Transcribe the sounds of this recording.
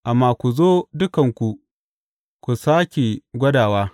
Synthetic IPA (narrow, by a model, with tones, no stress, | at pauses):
ʔa˨mːaː˦kʷu˨zoː˦dʊ˦kɐ˨ŋkʷu˨ | kʷu˨saː˦kʲe˨ɡʷɐ˦daː˨waː˦